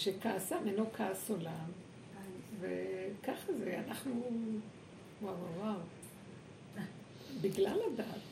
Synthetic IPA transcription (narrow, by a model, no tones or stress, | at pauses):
ʃekaasamenokʰaːsolam | vekaχazeanaχnu | wawawaw | biɡlaladaːt